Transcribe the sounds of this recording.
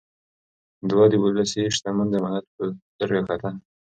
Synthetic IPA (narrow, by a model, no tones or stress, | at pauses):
d̪wɑd̪iwəlasiʃt̪amand̪əmanat̪̚pət̪əɾɡakat̪ʰa